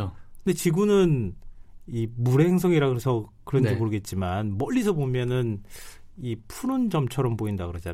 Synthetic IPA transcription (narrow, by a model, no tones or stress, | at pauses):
okɯnde̞t͡ɕiɡunɯn | imuɾeŋs̬ʰʌŋiɾaɡɯesʰʌkɯɾʌnd͡ʑimoɾɯɡe̞t̚t͡ɕ͈imanmʌʎːisʰʌbomjʌnɯn | ipʰuɾund͡ʑʌmt͡ɕʰʌɾʌmboindakɯɾʌd͡ʑa